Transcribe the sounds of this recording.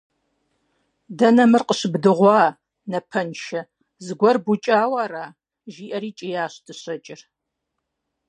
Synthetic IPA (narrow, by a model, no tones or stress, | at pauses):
dɐnɐmɨrqəɕɪbdɨʁʷɑː | nɐpʰɐnʃɐ | zɨɡʷɔrbut͡ʃʼaːwɑːraː | ʒiːʔɐɾiːt͡ʃʼɪjaːɕdʰɨɕɐt͡ʃʼɪr